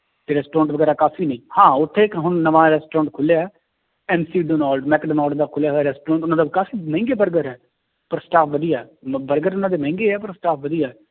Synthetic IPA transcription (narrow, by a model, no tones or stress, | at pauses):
t̪eːɾɛːsʈɾɔ̃ːɳʈʋəɡɛːɾaːkaːfʰiːnə̃ĩːhãːʊt̪ʰːeːkɦʊnnəʋãːɾɛːsʈɾɔ̃ːɳʈ̚kʰʊlja | ɛːmsiːɖoːnaːlɖmɛːkɖəːnɔːlɖd̪aːkʰʊljaːɦaːɾɛːsʈɾɔ̃ːɳʈʊnãːd̪aːkaːfiːmɛ̃ːŋɡeːbəɾɡəɾɛː | pəɾsʈaːpʰʋəd̪ijaːbəɾɡəɾʊnãːd̪eːmɛ̃ːŋɡeːɛːpəɾsʈaːpʰʋəd̪ijɛː